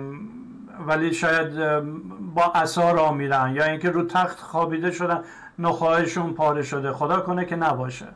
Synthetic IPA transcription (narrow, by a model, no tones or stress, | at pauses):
væliːʃɒːjæd̪ | bɒːʔæsɒːɾɒːmiːd̪ænjɒːiːŋkʲe̞ɾuːt̪ʰæxt̪xɒːbiːd̪eʃod̪ænː | oxɒːeʃuːnpʰɒːɾeʃod̪exod̪ɒːkonekʲʰenæbɒːʃḛ